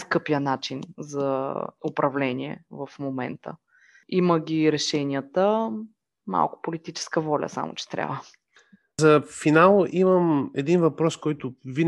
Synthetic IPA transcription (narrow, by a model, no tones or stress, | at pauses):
skɤpijənat͡ʃinzɐʊpɾɐvlɛniɛ̰vəfmomɛ̰nt̪ə̰ | iməɡʲiɾɛʃɛnʲijət̪ə | ma̰lˠkʊ̥polit̪it͡ʃɛ̥skəvɔlʲə̰sa̰mʊ̰t͡ʃɛ̥t̪ɾʲa̰və | zɐfinalˠʔiməmɛd̪invɐpɾɔskɔjt̪ʊvin